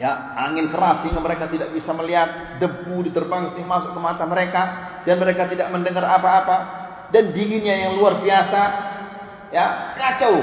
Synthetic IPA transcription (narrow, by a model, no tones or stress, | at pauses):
ja | aŋɪnkəɾasiŋaməɾekat̪idaʔbisaməliɦat̪̚ | dəbudit̪ərbaŋsɪmasʊkːəmat̪aməɾeka | d̥anməɾekat̪idaʔməndəŋərapaːpa | dandiŋɪnɲajaŋluarbiasa | jakat͡ʃa